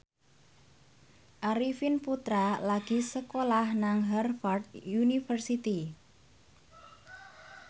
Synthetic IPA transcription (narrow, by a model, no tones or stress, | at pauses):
ʔaɾifinput̪ɾalaɡ̥i̤səkolahnaŋɦɛrfɔrd̪junifərsit̪i